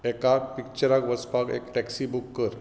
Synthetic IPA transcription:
ɛkak̚pikt͡ɕəɾakʋəspakḛkʈɛksibukːəɾ

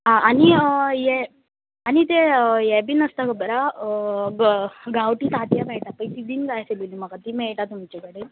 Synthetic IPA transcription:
ɦãañiəjɛ | anit̪̬ejɛbiːnəst̪akəbəɾa | ɡawʈiːt̪at̪jamɛɭʈapə̃jt̪id̪iːnɡajselilim̤əkat̪imɛɭʈat̪um̤it͡ɕekəɽe

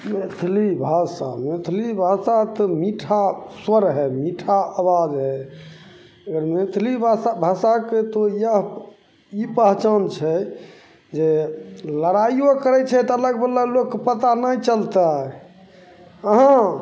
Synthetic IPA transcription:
met̪ʰlibʱasa̰met̪ʰlibʱasat̪ɔmiʈʰaswəɾɦɛmiʈʰaabad͡ʒɦɛ | əɡəɾmet̪ʰlibʱaabʱasaket̪oijəɦ | ipəɦt͡ʃant͡ʃʰɛ | d͡ʒeləɾajokəɾɛt͡ʃʰɛt̪ɔələɡbəlːəɡlokːepət̪anajt͡ʃəlt̪a | əɦã

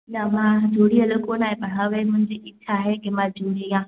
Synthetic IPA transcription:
namad͡ʒoːɽijalokʼonajeɓɐɽawemʊnd͡ʒeʔɪtʰːaɦeɡɪmad͡ʒuːɽija

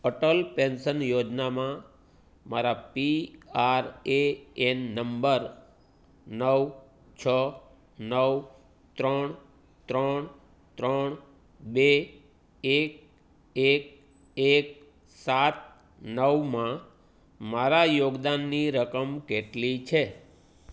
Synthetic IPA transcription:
əʈəlpensənjod͡ʒnamã | maɾapiaɾeenːəmbəɾ | nəw | t͡ʃʰə | nəʋ | t̪ɾəɳ | t̪ɾəɳ | t̪ɾəɳ | be | ek̚ | ek̚ | ek̚ | sat̪̚ | nəʋmã | maɾajoɡd̪anːiɾəkəmkeʈlit͡ʃʰe

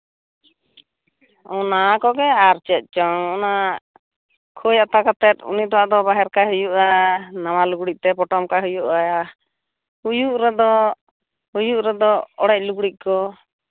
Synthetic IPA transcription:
ɔnakɔɡɛaɾt͡ʃɛt̪̚ˀt͡ʃɔŋɔna | kʰojat̪akat̪ɛt̪̚ṵnit̪awaʔd̪ɔbaɦɛɾkaɦujuʔanawaluɡɽic̚t̪ɛpɔʈɔmkaɦujuʔaja | hujuʔɾɛd̪ɔ | hujuʔɾɛd̪ɔɔɽɛc̚ˀluɡɽic̚ˀkɔ

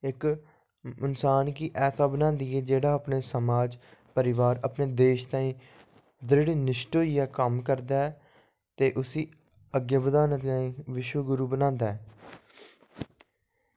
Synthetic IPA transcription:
ɪk | ʊnsaːnkiʔɛːsaːbənãːnd̪iːɛːd͡ʒeːɽaːəpneːsəmaːd͡ʒpəɾɪʋaːɾəpneːd̪eːʃt̪ãːĩː | d̪ɾɪɽeːnɪʃʈoːiːɛːkəmkəɾd̪aːɛ | t̪eːʔʊsiː | əɡjəʋəd̪aːnət̪ãːĩːʋɪʃwəɡʊɾuːbənãːnd̪aːɛː

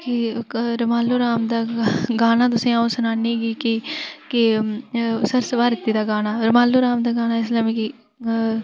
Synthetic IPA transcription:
kɪɾəmaːlːuːɾaːmd̪aːɡaːnaːt̪̬ʊsẽːaosənaːniːɡiːkɪkɪ | səɾsəʋaːɾɪt̪ːiːd̪aːɡaːnaːɾəmaːlːuːɾaːmd̪aːɡaːnaːɪslaːmẽːkɪ

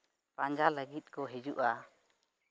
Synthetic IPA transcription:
pãɲd͡ʒaləɡit̪̚kɔɦid͡ʒuʔa

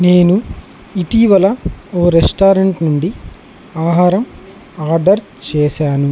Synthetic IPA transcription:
neːnu | iʈiʋɐlɐoːɾesʈaːɾɐɳʈnuɳɖi | aːɦaːɾɐm | aːɾɖɐɾ | t͡ʃɛːʃaːnu

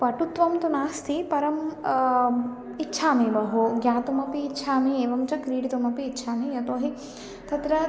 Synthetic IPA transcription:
pɐʈut̪ʋɐmt̪unaːst̪ʰipɐɾɐm | itːʃʰaːmeːbɐɦoːɡjaːt̪umɐpiːtːʃʰaːmieːʋɐmt͡ʃɐkɾiːɽit̪umɐpiːtːʃʰaːmijɐt̪oːɦi | t̪ʰɐt̪ɾɐ

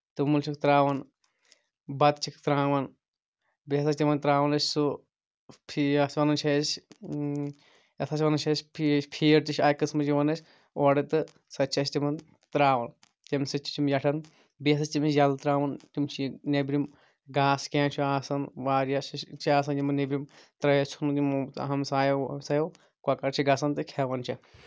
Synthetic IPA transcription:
t̪ɨmɐlt͡ʃʰikt̪ɾaːʋɐn | bɐt̪t͡ʃʰikt̪ɾãːʋɐn | biɐs̬ɐsʲt̪ʲimɐnt̪ɾaːʋɐnɐsʲsu | pʰiasʋɐnɐnt͡ʃʰɐs | jɐt̪ʰɐsʋɐnɐnt͡ʃʰɐsʲpʰpʰeːɾt̪iʃaːjkɨsmɐd͡ʒiʋɐnɐsʲ | oːɽɐt̪ɨ | sɐt͡ʃʰɐst̪ʲimɐn | t̪ɾaːʋɐn | t̪ʲimʲsɨt͡ʃʰi̥t͡ʃimjɐʈʰɐn | bes̬ɨstimsjɐlt̪ɾaːʋɐntimt͡ʃʰinebɾim | ɡaːskeːnt͡ʃʰiaːsɐnʋaːɾjasit͡ʃʰiaːs̬ɐnjimɐnebɾimt̪ɾɐjɐst͡ʃʰunut̪imɦɐmsaːjɐwmsaːjɐw | kakɐɾt͡ʃʰiɡɐsɐnt̪ɨkʰɛːʋɐnt͡ʃʰi

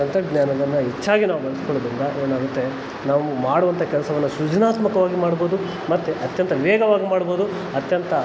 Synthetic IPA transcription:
ɐnt̪ɐɡnjaːnɐd̪ɐnːɐɦit͡ʃːaːɡinaːʋuɡɐɭɐskɔɭod̪ɾind̪ɐʔeːnaːɡɐt̪ːe | naːʋumaːɽuʋɐnt̪ʰɐkɛlɐsɐʋɐnːuʃud͡ʒɐnaːt̪mɐkɐʋaːɡimaːɽboːd̪u | mɐt̪ːeʔɐt̪jɐnt̪ʰɐʋɛːɡɐʋaːɡimaːɽbo̞ːd̪u | ɐt̪jɐnt̪ɐ

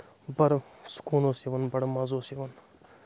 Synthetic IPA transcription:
bɐɽskuːnoːsiʋɐnbɐɽmɐzoːsiʋɐn

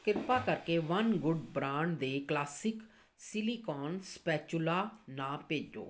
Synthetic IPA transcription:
kɪt̪paːkəɾkeːʋənɡʊɖbɾãːɳɖd̪eːklaːsɪk | sɪliːkɔːnspɛːt͡ʃʊlaːnãːpeːd͡ʒo̰ː

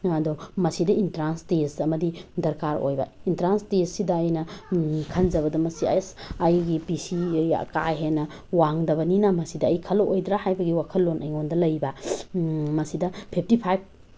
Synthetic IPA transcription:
ɐdɔmɐsidɐintɾanstesɐmɐdidɐɾkaɾo̰jbɐ̰intɾanstessidɐːjnɐkʰɐnd͡ʒɐβɐdɐmɐsia̰esajɡipisia̰ka̰ɦenɐ | waŋdɐbɐninɐmɐsidɐːjkʰɐlʔojdɾahajbɐɡiwakʰɐllːonɐjŋondɐlɐjbɐ | mɐsidɐpʰip̚ʰtipʰajb̚

